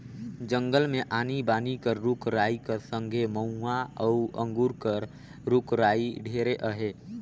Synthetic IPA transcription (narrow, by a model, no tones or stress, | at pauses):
d͡ʒə̃ŋɡəlmẽʔaːnibaːnikəɾɾʊkɾaːikəɾsə̃ŋɡʱeməũaɔʊə̃ŋɡuɾkəɾ | ɾʊkɾaːiɖʱeːɾeʔəɦeː